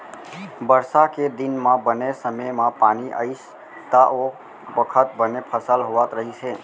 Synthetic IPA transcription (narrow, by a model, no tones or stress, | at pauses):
bəɾsaked̪inmãbənesəməmãpaniʔə̰ɪs | t̪aʔo | bəkʰət̪̚bənepʰəsəlɦoʋat̪ɾəɦit͡ʃʰe